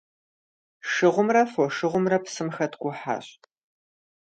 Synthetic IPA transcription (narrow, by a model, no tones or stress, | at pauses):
ʂɨʁʷʊmrɐfɔʂɨʁʷʊmrɐpsɨmxɐtʰɡʷʊħa̰ɕʼ